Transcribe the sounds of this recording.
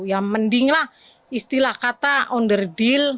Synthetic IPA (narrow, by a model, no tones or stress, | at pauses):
jaməndɪŋlah | ist̪ilahkat̪aɔndərdɪl